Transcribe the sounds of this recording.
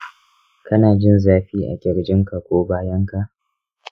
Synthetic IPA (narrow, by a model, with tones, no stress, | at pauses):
kʰɐ˦naː˨d͡ʒɪ˦nzaː˦ɸiː˦ʔa̰˨kʲʼɪ˨ɾd͡ʒɪ˦ŋka˨kʷoː˦baː˦jɐ˦ŋka˨ʔ